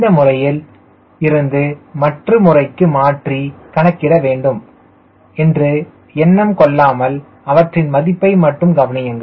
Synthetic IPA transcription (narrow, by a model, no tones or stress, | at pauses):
d̪ɐmʊrɐjɪl | ɪɾɯnd̪ɯmɐʈrɯmʊrɐɪkːɯmaːʈrikɐɳɐkːɪrɐʋeːɳɖɯm | ɛndrɯ | ɛnːɐmkɔɭːaːmɐl | ɐʋɐʈrɪnmɐðɪpːɐɪmɐʈːɯmɡɐʋɐnɪjɐŋɡɐ